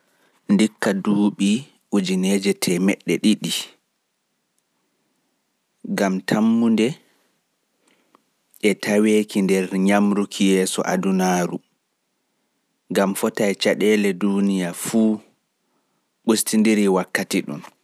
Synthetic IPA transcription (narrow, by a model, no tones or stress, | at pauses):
ndikːaduːɓi | ʔud͡ʒinɛːd͡ʒɛtʰɛmɛɗːɛ̰ɗiɗi | ɡamtʰamːundɛ | ʔɛtʰaweːkindɛɾɲamɾukʰijɛːsɔ̰ʔa̰dunaːɾu | ŋɡamfɔtajt͡ʃaɗɛːlɛdunijafuː | ɓustindiɾiwakːatiɗṵm